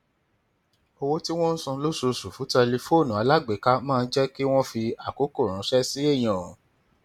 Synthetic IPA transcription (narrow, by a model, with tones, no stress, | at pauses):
o˧wo˦ti˦w̃ɔ̃˦n̩˦sɔ̃˧lo˦so˧su˨fũ˨˦tɛ˧li˧fo˦˨nũ˨a˨˧la˦ɡ͡be˨˦ka˦mãː˦˧n̩˦d͡ʒɛ˦ki˦w̃ɔ̃˦fi˧a˨ko˨˦ko˦˨ɾ̃ũ˨˦ʃɛ˦si˦e˦˨j̃ã˨˦